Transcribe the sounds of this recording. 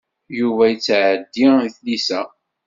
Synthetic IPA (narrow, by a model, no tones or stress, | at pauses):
juvæjət͡sːʕəd̪ːiθlisæ